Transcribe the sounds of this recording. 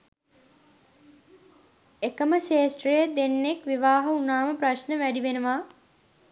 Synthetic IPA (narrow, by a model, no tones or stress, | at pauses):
ekəməʃeːsʈrejəd̪enːekʋiʋaːɦɐunaːməpraʃnəʋæɖiʋenəʋaː